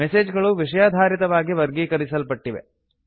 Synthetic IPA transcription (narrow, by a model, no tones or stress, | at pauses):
meseːd͡ʒɡɐɭuʋiʂɐjaːd̪ʱaːɾit̪ɐʋaːɡiʋɐɾɡiːkɐɾisɐlpɐʈːiʋḛ